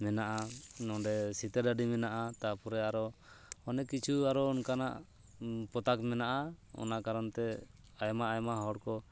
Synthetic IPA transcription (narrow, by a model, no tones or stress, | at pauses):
mɛnaʔanɔɖɛsit̪ɛɾɖaɖimɛnaʔat̪apɔɾɛaɾɔɔnɛkit͡ʃʰuaɾɔːnkanaʔ | pɔt̪akmɛnaʔaɔ̰naʔkaɾɔnt̪ɛ | ajmaʔajmaɦɔɽkɔ